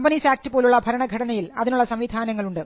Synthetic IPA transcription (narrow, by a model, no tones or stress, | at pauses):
mbɐnisaːk̚tɨpoːluɭːɐbʱɐɾɐɳɐɡʱɐʈɐnɐjilɐ̰ðinuɭːɐsɐmʋiːd̪ʱaːnɐŋːɐɭuɳɖɨ